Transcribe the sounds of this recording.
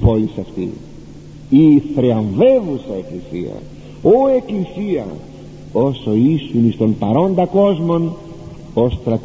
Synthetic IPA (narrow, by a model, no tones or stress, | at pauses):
polisɐft̪ḭ | iθɾeɐɱvevusɐeklisḭɐ̰ | oe̞klisiɐ̰ | o̞so̞isunist̪o̞mpɐɾo̞nd̪ɐko̞zmo̞n | ost̪ɾɐt̪